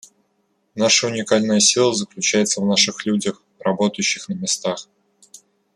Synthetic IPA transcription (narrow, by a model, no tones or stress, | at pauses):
naʂəʊnʲɪkalʲnəjəsʲilˠəzəklʲʉt͡ɕæjɪt̪səvnaʂɨxlʲudʲəx | rɐbo̞t̪əjʉɕːɪxnəmʲɪst̪ax